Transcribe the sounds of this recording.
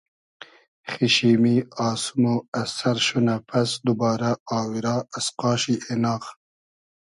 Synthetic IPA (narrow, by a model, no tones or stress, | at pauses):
χiʃiːmiɑːsumoɐsɐɾʃunɐpʰɐsd̪ubɑːɾɐɑːwiɾɑːɐsqɑːʃiʔenɑːx